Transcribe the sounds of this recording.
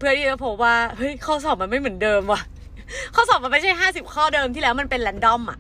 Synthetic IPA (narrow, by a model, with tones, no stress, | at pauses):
pʰɯ˥˩ɐdiː˥˩a˦˩pʰo˨˦waː˥˩hɤ˦˥˩jkʰɔː˥˩sɔː˨˩ma˧nma˥˩jmɯ˩˦ndɤː˧mwa˧˩ | kʰɔː˥˩sɔː˨˩ma˧nma˥jt͡ɕʰa˥˩jɦaː˥˩si˨˩p̚kʰɔː˥˩dɤː˧mt̪ʰiː˥˩lɛː˦˥wma˧npe˧nlɛ˦˥ndɔ˥˩mʔa̰˨˩ʔ